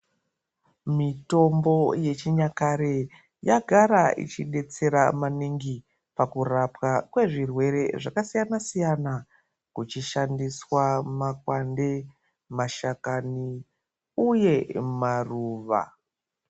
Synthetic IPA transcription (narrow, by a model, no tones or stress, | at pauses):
mito̞mbo̞je̞t͡ʃiɲakaɾe | jaɡʱaɾaḭt͡ʃiɗe̞t͡se̞ɾamaniŋɡi | pakurapwakwe̞ʐirwe̞ɾe̞ʐakasijanasijana | kut͡ʃiʃandiswamakwande̞ | maʃakani | uje̞maruːʋa̰